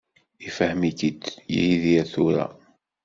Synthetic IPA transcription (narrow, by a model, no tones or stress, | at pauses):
ifəhmikid̪jḭhiðiæθuɾa̰